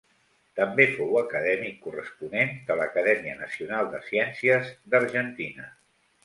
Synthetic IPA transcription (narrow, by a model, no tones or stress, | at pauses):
t̪əmbefowəkəðɛmikːurəspunend̪ələkəðɛmiənəsiunalˠd̪əsiɛnsiəzd̪əɾʒənt̪inə